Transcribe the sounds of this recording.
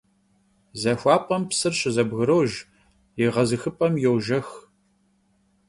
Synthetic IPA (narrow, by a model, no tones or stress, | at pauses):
zɐxʷɑːpʼɐmpsɨrɕɪzɐbɣɨɾowʒ | jɪʁɐzɨxɨpʼɐmjɛwʒɐx